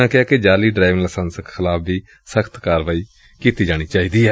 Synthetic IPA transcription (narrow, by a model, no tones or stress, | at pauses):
ãːkɪaːked͡ʒaːliːɖɾaːʋɪ̃ŋɡləsənsəkxʰɪlaːb̚ʰd̪iː | səkʰt̪kaːɾʋaːiː | kiːt̪iːd͡ʒaːɽ̃iːt͡ʃaːiːd̪iːɛː